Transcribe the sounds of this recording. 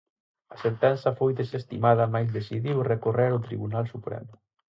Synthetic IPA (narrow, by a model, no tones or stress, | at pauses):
asent̪ɛnsafojd̪esest̪imaðamajzðesiðiwrekoreɾot̪ɾiβunalˠsupɾɛ̰m